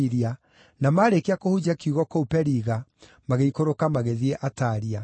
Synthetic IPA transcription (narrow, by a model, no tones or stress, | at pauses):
iɾia | namaɾekeakohud͡ʑakiuɣɔkoupɛɾiɣa | maɣeikoɾokamaɣeðiɛʔataɾia